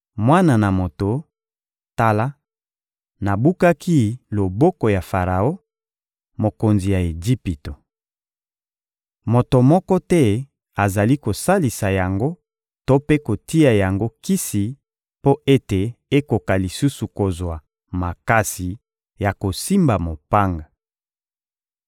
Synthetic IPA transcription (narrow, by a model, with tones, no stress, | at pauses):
mwa˦na˨na˨mo˨to˨ | ta˦la˦ | na˨bu˦ka˦ki˦lo˨bɔ˦ko˨ja˨fa˨ʁa˨o˦ | mo˨ko˨nzi˨ja˨e˨d͡ʒi˦pi˨to˨ | mo˨to˨mɔ˦kɔ˦tɛ˦ | a˨za˨li˦ko˨sa˦li˨sa˨ja˨ŋɡo˦ | to˦pe˦ko˨ti˦a˨ja˨ŋɡo˦ki˦si˨ | po˦ʔe˦te˨e˦ko˨ka˨li˨su˦su˨ko˨zwa˨ | ma˨ka˦si˨ | ja˨ko˨si˦mba˨mo˨pa˦ŋɡa˨